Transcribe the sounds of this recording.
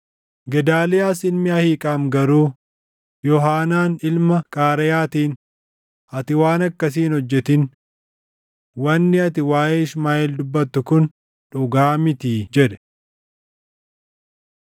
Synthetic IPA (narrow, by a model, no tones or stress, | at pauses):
ɡɛd̪aːlɪjaːsɪlmɪɐhiːkʼaːmɡɐɾuː | jɔɦaːnaːnɪlmɐkʼaːɾɐjaːt̪iːn | ɐt̪ɪwaːnɐkːɐs̬iːnhɔd͡ʒːɛt̪ɪn | wɐnːɪɐt̪ɪwaːjeːɪsmaːʔeːld̪ʊbːɐt̪ːʊkʊn | ᶑʊɡaːmɪt̪iːd͡ʒɛᶑɛ̥